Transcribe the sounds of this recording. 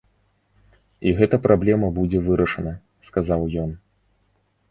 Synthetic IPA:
iɣɛt̪ɐpɾʔablʲɛmɐbud͡zʲɛvɨɾɐʂɐnɐ | skazawjɔn

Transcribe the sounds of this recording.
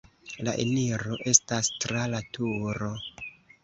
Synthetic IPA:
laʔḛniɾo̞ʔe̞stastɾalatuɾo̞

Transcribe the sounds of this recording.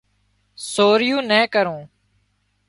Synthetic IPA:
soːɾɪjũːnɛ̃ːkəɾõː

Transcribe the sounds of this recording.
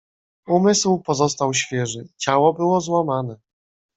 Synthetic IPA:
umɘswpɔzɔst̪awɕfʲjɛʐɘt͡ɕawɔbɘwɔzwamanɛ

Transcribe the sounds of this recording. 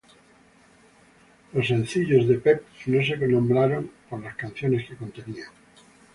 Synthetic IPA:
lo̞sːe̞n̟θiʎozðe̞pepnoseknõ̞mbɾaɾo̞ŋkoɾlaskan̟θjo̞ne̞skeko̞nt̪e̞niaŋ

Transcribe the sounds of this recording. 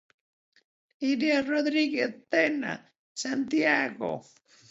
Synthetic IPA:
iɾjaroðɾiɣeθt̪ena̰ | sant̪jaɣo̰

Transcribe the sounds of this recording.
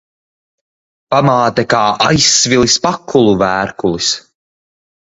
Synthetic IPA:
pamaːt̪ɛkaːʔajsːvilˠispakʰːulˠuvæːɾkulˠis

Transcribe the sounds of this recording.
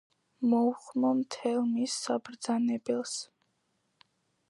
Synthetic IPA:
mɔuχmɔmt̪ʰɛlˠmisːabɾd̪zanɛbɛlˠs

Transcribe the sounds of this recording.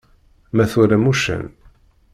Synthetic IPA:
mæθuɾæmuʃə̰n

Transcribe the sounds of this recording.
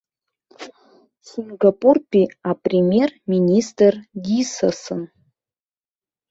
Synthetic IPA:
siŋɡapʼurpʲʰʼiapʼrʲemʲje̞rminʲistʼrɡisa̰sɨn

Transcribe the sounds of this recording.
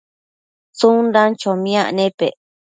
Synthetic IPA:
t͡sundãnt͡ʃomĩãʔnẽpḛ

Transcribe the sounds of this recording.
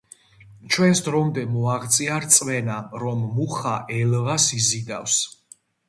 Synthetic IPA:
t͡ʃʰwɛnsd̪ɾɔmd̪ɛmɔaʁt̪sʼiaɾt̪sʼwɛnaɾɔmːuχaʔɛlʁasizid̪afs

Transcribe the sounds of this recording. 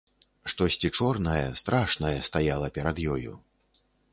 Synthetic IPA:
ʂt̪ɔsʲt͡sʲit͡ʂɔrnɐjɐ̰st̪ɾʔaʂnɐjɛst̪ajalˠɐpʲɛɾad̪jɔjṵ

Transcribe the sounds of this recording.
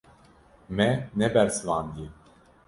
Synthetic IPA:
mɛnɛbɛɾsɨvɑːnd̪je

